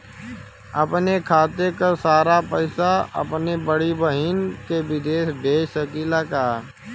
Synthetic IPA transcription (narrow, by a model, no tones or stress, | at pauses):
ɐpnekʰaːt̪ekasaːɾapəɪsaɐ̰pnebəɽiʋəɦiːnkebɪd̪eːʃb̪ʱeːʃəkiːlakaː